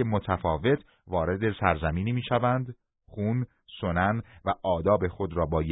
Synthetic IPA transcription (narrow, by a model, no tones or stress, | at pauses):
emot̪ʰæfɒːve̞t̪ʰ | vɒːɾe̞d̪e̞sæɾzæmiːniːmiːʃævænd̪ | χuːn | so̞nænvæʔɒːd̪ɒːbe̞xod̪ɾɒːbɒːj